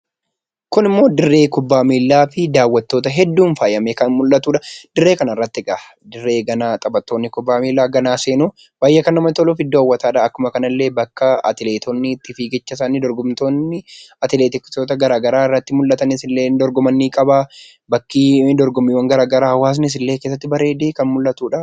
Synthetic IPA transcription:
kʊnɪmːo̞ːd̪ɪrːe̞ːkʊbːaːmiːlːaːfɪd̪aːwːɐt̪ːo̞ːt̪ɐɦɛd̪ːuːnfaːjɐmeːkɐnmʊlːɐt̪ːuːᶑɐd̪̥ɪrːe̞ːkɐnɐɪrːɐt̪ːɪɡaɐ | d̪ɪrːe̞ːɡɐnaːt̪ʼɐbɐt̪ːo̞ːnːɪkʊbːaːmiːlːaːɡɐnaːse̞ːnuː | baːjːɐkɐnːɐmɐt̪ɔlofɪd̪ːoɐwːɐt̪aːᶑaːɐkːʊmɐkɐnɐlːe̞ːbɐkːɐɐ̰t̪ɪleːt̪ʰɔnːɪːt̪ːɪfiːɡɛt͡ʃːɐs̬aːnɪd̪ɔɾɡʊmt̪oːnːɪɐt̪ɪleːt̪ɪkːɪ̥t̪oːt̪ɐɡɐɾaːɡɐɾaːɪrːɐt̪ːɪmʊlːɐt̪ɐnɪsɪlːeːnd̪ɔɾɡɔmɐnːiːkʼɐba | bɐkːiːd̪ɔɾɡɔmiːwːɐŋɡɐɾaːɡɐɾaːhɐwaːs̬nɪs̬ɪlːeːke̞ːs̬ːɐt̪ːɪbɐɾe̞ːd̪eːkɐnmʊlːɐt̪uːᶑa

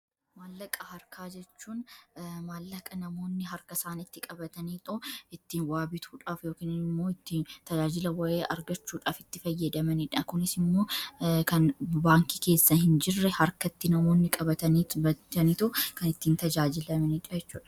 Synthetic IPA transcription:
maːlːɐkʼɐhɐɾkʰaːd͡ʒɛt͡ʃːuːnmaːlːɐkʼːɐnɐmo̞ːnːɪɦɐɾkɐsaːnɪt̪ːɪkʼɐbɐt̪ɐniːt̪ʼʊɪt̪ːiːnwaːbɪt̪ʰuːᶑaːfjoːkiːnɪnɪmːo̞ːɪt̪ːint̪ɐd͡ʒaːd͡ʒɪlɐwɐʔeːʔɐɾɡɐt͡ʃːuːᶑaːfɪt̪ːɪfɐjːɐd̪ɐmɐniᶑɐkʊnɪsɪmːo̞ːkɐnbaːŋkike̞ːsːɐhɪnd͡ʒɪrːɛhɐɾkɐt̪ːɪnɐmo̞ːnːɪkʼɐbɐt̪ɐniːbɐt̪ɐnit̪ʊkɐnɪt̪ːiːnt̪ɐd͡ʒaːd͡ʒɪlɐmɐniːᶑɐjɛt͡ʃːuːᶑɐ̥

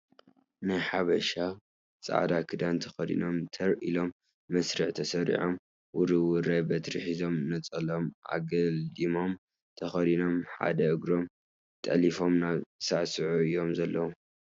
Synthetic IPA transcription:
nɨħaβɐʃa | t͡sʼa̰ʕd̪akʰɨd̪ant̪ʰɐxɐd̪ḭno̞mt̪ʰɐɾʔḭlo̞mː | ɐsɾɨʕt̪ʰɐsɐɾḭʕom | wʊɾɨwɨɾajbɐt̪ɾɨħizo̞mnɐt͡sʼɐlo̞mʔa̰ɡɐld̪imo̞m | t̪ʰɐxɐd̪ino̞mħa̰d̪ɐʔɨɡɾo̞m | t̪ʼɐlifo̞mnaβsaʕsɨʕuɨjo̞mzɐlːɐwom

